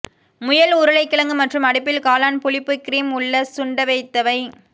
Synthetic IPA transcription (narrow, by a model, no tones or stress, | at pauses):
mʊjɐlʊɾɯlɐɪkːɪɭɐŋɡɯmɐʈrɯmɐɽɪp̬ːɪlkaːlaːnpʊɭɪpːɯkːɪɾiːmʊɭːɐsʊɳɖɐʋɐɪt̪ːɐʋɐɪ